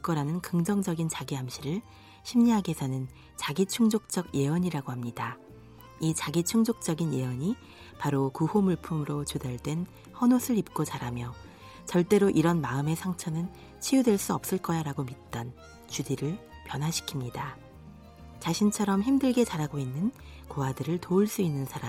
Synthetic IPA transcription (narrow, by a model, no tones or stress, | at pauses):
k͈ʌɾanɯnkɯŋd͡ʑʌŋd͡ʑʌɡint͡ɕaɡiɦamɕʰiɾɯɭ | ɕʰimɲiɦaɡesʰʌnɯn | t͡ɕaɡit͡ɕʰuŋd͡ʑok̚t͡ɕ͈ʌɡje̞ʌɲiɾaɡohamɲida | it͡ɕaɡit͡ɕʰuŋd͡ʑok̚t͡ɕ͈ʌɡinje̞ʌɲi | paɾokuhomuɭpʰumɯɾot͡ɕodaɭdwe̞n | hʌnosʰɯɾip̚k͈ot͡ɕaɾamjʌ | t͡ɕʌɭt͈e̞ɾoʔiɾʌnmaɯme̞sʰaŋt͡ɕʰʌnɯn | t͡ɕʰijudwe̞ɭs͈uʌp̚s͈ɯɭk͈ʌjaɾaɡomit̚t͈ʌn | t͡ɕudiɾɯɭpjʌnɦwaɕʰi̥kʰimɲida | t͡ɕaɕʰint͡ɕʰʌɾʌmçimdɯɭɡe̞t͡ɕaɾaɡoinːɯn | koɦadɯɾɯɭtoɯɭs͈uinːɯnsʰaɾa